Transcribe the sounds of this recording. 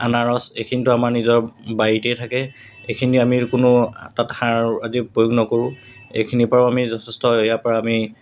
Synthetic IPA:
anaɹɔsejkʰinitʊamaɹnizɔɹbajitejtʰakɛ | ejkʰiniamikʊnʊtatxaazipɹojoɡnɔkoɹʊ̃ | ḛjkʰinipɔɹaamizɔtʰɛstɔejapɔɹaːmi

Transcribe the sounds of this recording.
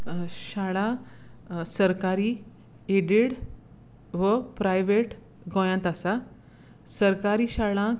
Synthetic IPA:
ɕaɭã | səɾkaɾiː | eɽiɽ | ʋəpɾajʋeʈ | ɡɔ̃jãnt̪asa | səɾkaɾiːɕaɭã

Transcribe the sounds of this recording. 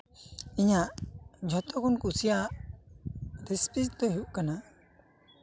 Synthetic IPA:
iɲaʔd͡ʒʱɔt̪ɔkɔnkusijaʔ | ɾispisd̪ɔɦuʔkana

